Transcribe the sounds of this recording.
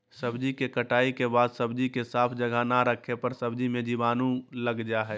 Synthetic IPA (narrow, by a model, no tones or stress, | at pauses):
səbd͡ʒikekəʈaːikebaːd̪səbd͡ʒikesaːpʰd͡ʒəɡʱanaɾəkʰepəɾsəbd͡ʒimẽd͡ʒibaːnũləɡd͡ʒaɦɛː